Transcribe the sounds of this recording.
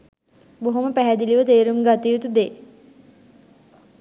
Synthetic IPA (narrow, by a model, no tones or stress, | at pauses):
boɦoməpæɦæd̪iliʋət̪eːɾumɡat̪ijut̪ud̪eː